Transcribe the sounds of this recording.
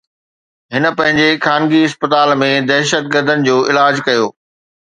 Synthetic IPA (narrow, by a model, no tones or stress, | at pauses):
ɦɪnə̆pɐ̃ɦɪ̃ɲd͡ʑexaːnɡiɪspət̪aːlmẽd̪ɛɦʃət̪̚ɡəɾd̪ʱənɪ̆d͡ʑoːʔɪlaːd͡ʑkɐjoː